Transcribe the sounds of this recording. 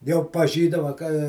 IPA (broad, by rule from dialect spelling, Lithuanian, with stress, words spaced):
jɛʊ pɐˈʒʲiːdɐʋɐ kɐ